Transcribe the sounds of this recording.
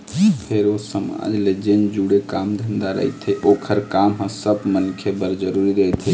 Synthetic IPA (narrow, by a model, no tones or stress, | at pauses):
pʰeɾosəma̰d͡ʒled͡ʒend͡ʒuɽekamd̪ʱənd̪aɾə̰ɦjt̪ʰɛʔokʰəɾkamɦə̃səbmənkʰebəɾd͡ʒəɾuɾiɾəɦɛt̪ʰi